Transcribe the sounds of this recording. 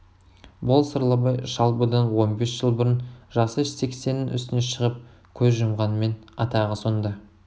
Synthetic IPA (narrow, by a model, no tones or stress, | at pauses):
bolˠsəɾlˠəbɑjʃɑlˠbəd̪ɑnwo̞nbe̞sʒ̥əlˠbʊɾənʒɑsəʃse̞kse̞nːɪnʔʏ̰st̪ɪne̞ʃəʁəp̚ | kʲʰɵzʒʊmʁɑnəme̞nɑt̪ɑʁəso̞nd̪ɑ